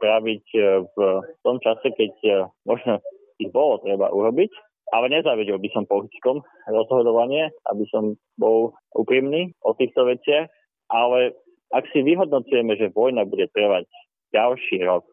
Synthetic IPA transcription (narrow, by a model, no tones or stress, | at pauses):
pɾaʋicft̪ɔmt͡ʃasɛkɛcmɔʒnɔ | ibɔlɔt̪ɾɛba̰ʔuɾɔbic | ʔalɛɲɛzaːʋiɟilˠbisɔmpɔxit͡skɔm | ɾɔzɦɔd̪ɔʋaɲɪɛʔa̰bisɔm | bɔl | ʔṵpɾiːmniːʔɔt̪iːxt̪ɔʋɛt͡sɪax | ʔalɛ | aksiʋiɦɔd̪̚nɔt͡sujɛmɛʒɛʋɔjnabuɟɛt̪ɾəʋaɟ | ɟalʃiːɾɔk̚